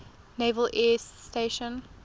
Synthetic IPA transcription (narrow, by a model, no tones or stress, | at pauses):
nevəlʔɛsteʃə̃n